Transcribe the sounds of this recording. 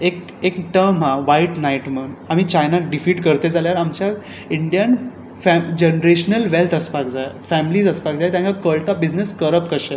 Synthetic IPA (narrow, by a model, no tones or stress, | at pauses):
ek | ekʈəɾmɦaʋaiʈnaiʈmənamiːt͡ɕajnaɖifiʈkəɾt̪ed͡zaljaɾamt͡ɕja | iɳɖijən | fɛd͡ʑenɾeɕnəlʋelt̪ʰəspakd͡zaefɛmiliːd͡zəspakd͡zajt̪jãŋkakəɭt̪abid͡zneskəɾəpkəɕe